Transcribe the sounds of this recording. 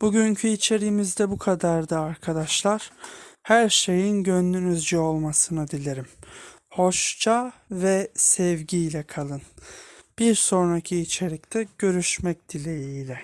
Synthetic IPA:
b̥uɟyɲcʰyit͡ʃʰe̞ɾijːmizd̪ɛbukʰad̪aɾd̪aːɾkʰad̪aʃlˠaɾ̥hæɾʃe̞jinɟønːynyzd͡ʒɛo̞lˠmasɯnɯd̪ilʲeɾim | ho̞ʃt͡ʃʰavɛsɛvɟijlʲɛkʰalˠɯnb̥iɾso̞nɾacʰiːt͡ʃʰe̞ɾʲic̚t̪ʰɛɟ̥ø̞ɾyʃmɛc̚d̪̥ilʲejiːlʲɛ

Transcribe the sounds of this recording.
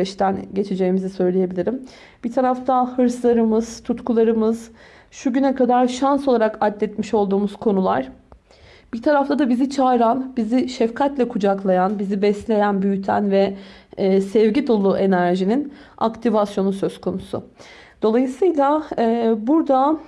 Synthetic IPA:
ɛt͡ʃt̪ænɟe̞t͡ʃʰid͡ʒe̞jimizisø̞jlʲeje̞bilʲiɾim | b̥it̪ʰaɾaft̪ʰahɯɾslˠaɾɯmɯz̥t̪ʰut̪kʰulˠaɾɯmɯz̥ | ʃuɟynɛkad̪aɾʃanso̞lˠaɾakat̪lːʲɛt̪miʃo̞lˠd̪uːmuzkʰo̞nulˠaɾ̥ | b̥iɾt̪ʰaɾaft̪ʰad̪abizit͡ʃʰaɾanbiziʃɛfkʰat̪lʲɛkʰud͡ʒaklˠajanbizibɛslʲe̞jænbyjyt̪ʰæ̰nvɛ | sɛvɟid̪o̞lˠuʔe̞næɾʒinin | a̰kt̪ʰivasjo̞nusø̞z̥kʰo̞nusʊ̰ | d̪̥o̞lˠajɯsɯjlˠaɛːbuɾd̪a

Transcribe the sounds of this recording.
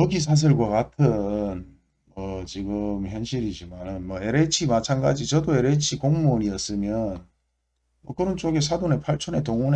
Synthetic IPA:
ʌɡis̬ʰas̬ʰiɭɡwakatʰɯn | mʌt͡ɕiɡɯmçjʌnɕʰiɾid͡ʑimanɯnmʌe̞ɾet͡ɕʰimat͡ɕʰanɡad͡ʑit͡ɕʌdoe̞ɾe̞t͡ɕʰikoŋmoniʌs͈ɯmjʌn | mʌkɯɾʌnt͡ɕ͈oɡes̬ʰadone̞pʰaɭt͡ɕʰone̞toŋune

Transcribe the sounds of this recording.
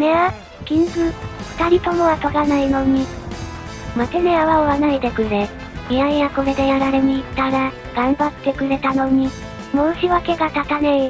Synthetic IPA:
nea | kʲĩnsɯɸɯ̥t̪aɾʲip̪o̞noβat̪o̞ɾanaino̞ɲ̟i | mateneaβaoβanaid̪e̞kɯ̟ɾe | miãijako̞ɾe̞d̪e̞jaɾaɾe̞ɲiːt̪ːaɾa | ɡ̥ãmbat̪ːe̞kɯ̟ɾe̞t̪ano̞ɲ̟i | moɯɕiβake̞ɡat̪at̪anei

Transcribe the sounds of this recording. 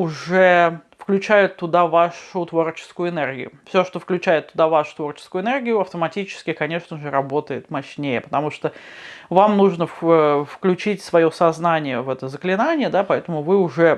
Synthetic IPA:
ʊʐɛfklʲʉt͡ɕæjʊt̪ːʊd̪avaʂʊt̪vo̞rt͡ɕɪ̥skʊjʊɪnɛrɡʲɪ̰jʊ̰fsʲoʂt̪o̞fklʲʉt͡ɕæjɪt̪ːʊd̪avaʂʊ̥t̪vo̞rt͡ɕɪ̥skʊʊɪnɛrɡʲɪjʊɐft̪əmɐtʲit͡ɕɪ̥skʲɪkɐnʲe̞ʂnəʐɨɾɐbo̞t̪əjɪt̪mɐɕnʲejəpə̥t̪ɐmuʂt̪ovamnuʐnəfəfklʲʉt͡ɕitʲsvɐjo̞sɐznanʲɪjəvɛt̪əzəklʲɪnanʲɪjəd̪apɐɛt̪əmʊvɨʊʐɛ

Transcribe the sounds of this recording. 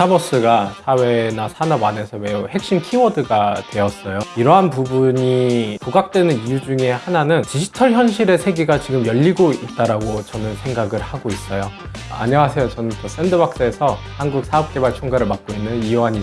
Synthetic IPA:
abʌs͈ɯɡasʰawe̞nasʰanʌbwane̞sʰʌme̞uhe̞k̚ɕ͈imkʰimʌdɯɡatwe̞ʌs͈ʌjoiɾʌɦanpubuɲipuɡak̚t͈wenɯnijud͡ʑuŋe̞hananɯnt͡ɕiɕʰi̥tʰʌɭçjʌnɕʰiɾe̞sʰe̞ɡiɡat͡ɕiɡɯmjʌʎːiɡoit̚t͈aɾaɡot͡ɕʌnɯnsʰe̞ŋɡaɡɯɭhaɡois͈ʌjo | a̰ɲʌŋasʰe̞jot͡ɕʌnɯnt͈ʌs͈e̞ndɯbak̚s͈ɯesʰʌhanɡuk̚sʰaʌp̚k͈e̞baɭt͡ɕʰoŋɡaɾɯɭmak̚k͈oinːɯniwaɲi

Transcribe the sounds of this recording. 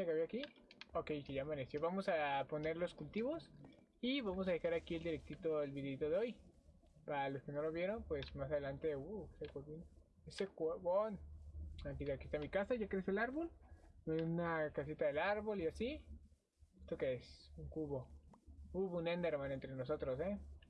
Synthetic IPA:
akeaβiaki | oke̞jkeʝamanesjoβamo̞sapo̞ne̞ɾlo̞skult̪iβo̞s | iβamo̞s̬aðe̞xaɾakie̞ld̪iɾek̚t̪it̪o̞elβiðeit̪o̞ðeo̞j | palo̞ske̞no̞lo̞βjeɾo̞npwe̞smasaðelant̪e̞uesekwoβin | esekweβonakiðakiest̪amikasaʝakɾe̞selaɾβo̞lmeðeunakasit̪aðelaɾβo̞liasi | est̪o̞keesuŋkuβo̞ | uβunend̪eɾmãnent̪ɾe̞no̞s̬o̞t̪ɾo̞s̬e

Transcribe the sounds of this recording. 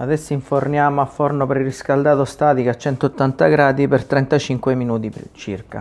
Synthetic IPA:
ad̪ɛsːoiɱfornjaːmoafːornopɾiriskald̪aːt̪ost̪aːt̪ikat͡ʃːɛnt̪ot̪ːant̪aɡɾaːd̪ipert̪ɾɛnt̪at͡ʃiŋkweminuːt̪it͡ʃirka̰

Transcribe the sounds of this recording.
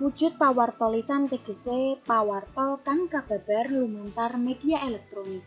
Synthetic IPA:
wud̥ʒ̥ʊ̤t̪̚pawart̪ɔlisant̪eɡ̥ə̤sepawart̪ɔkaŋkab̥a̤b̥a̤rlumunt̪armed̥iaʔelɛk̚t̪ɾonik̚

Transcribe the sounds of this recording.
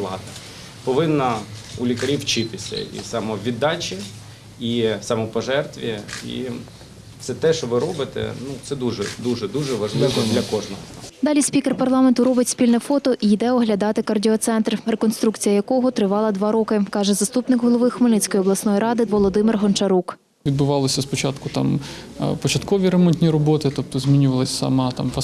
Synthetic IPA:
lˠɑ̰d̪ɐ | pɔʋɪnːɐulʲikɐɾʲiwt͡ʃɪt̪ɪsʲɐ̰ḭsɑmɔʋʲid̪ːɑt͡ʃi | isɑmɔpɔʒɛrt̪ʋʲiḭ | t̪sɛt̪ɛʃt͡ʃɔʋɪɾɔbɪt̪ɛ̰nut̪ɛd̪uʒɛ̰d̪uʒɛd̪uʒɛʋɐʒlˠɪʋɔd̪lʲɐkɔʒnɔɦɔt̪d̪ɑlʲisʲpʲikerpɐrlˠɑment̪ʊɾɔbɪtʲsʲpʲilʲnɛfɔt̪ɔʔijd̪ɛɔɦlʲɐd̪ɑt̪ɪkɐrdʲiɔt̪sɛnt̪rrekɔnst̪ɾukt͡sʲijɐjɐkɔɦɔt̪ɾɪʋɑlˠɐd̪ʋɑɾɔkɪkɑʒɛzɐst̪upnɪkɦɔlˠɔʋɪxɔmɐlʲnit͡sʲkɔjɔblˠɐsnɔjiɾɑd̪ɪʋɔlˠɔd̪ɪmɪrɦɔnt͡ʃɐɾuk | ʋʲid̪̚bʊʋɑlˠɔsʲɐspɔt͡ʃɑt̪kʊt̪ɑ̰m | pɔt͡ʃɐt̪kɔʋʲiɾemɔnʲt̪ʲnʲiɾɔbɔt̪ɪt̪ɔp̚t̪ɔzʲmʲinʲʊʋɐlˠɪsʲsɐ̰mɑt̪ɑ̰mpɐ

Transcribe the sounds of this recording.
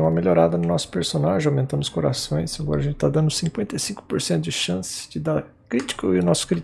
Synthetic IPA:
ũmɐmeloɾad̪ɐnʊnɔsʊ̥peɾsonaʒẽawmẽnt̪ɐ̃mʊskoɾa̰sõj̃saɡɔ̰ɾɐʒẽnt͡ʃɪt̪ad̪ɐ̃nd̪ʊsĩŋkwẽnt̪esĩŋkʊ̥poɾsẽnt̪ʊd͡ʒɪʃɐ̃sɪ̥d͡ʒɪd̪aɾ | kɾit͡ʃi̥kʊɪʊnɔsʊ̥kɾi

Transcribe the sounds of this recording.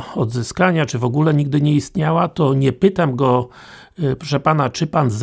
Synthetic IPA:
ɔd̪zɘskaɲat͡ʂɘvɔɡulɛɲiɡ̚d̪ɘɲɛist̪ɲawat̪ɔɲɛpɘt̪amɡɔ | pɾɔʂɛpanat͡ʂɘpanz

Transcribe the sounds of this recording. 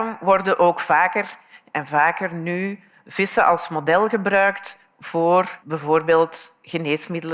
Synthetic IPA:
mʋɔrdənʔoːkfaːkərɛnvaːkərny | v̥ɪsəʔɑlˠsmodɛlˠɣəbrœɥkt | v̥oːrbɛvoːrbeːlˠt | ɣəneːsmɪdəl

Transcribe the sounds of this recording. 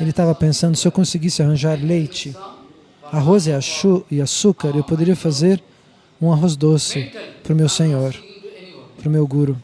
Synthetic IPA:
elɪt̪avɐpẽsɐ̃nd̪ʊsɪewkõsɪɡisɪaɦɐ̃ʒaɾlejt͡ʃɪ | aɦozɪaɪasukaɾewpod̪eɾiɐfazeɾ | ũaɦozd̪osɪpɾʊmewsẽɲoɾ | pɾʊmewɡuɾʊ

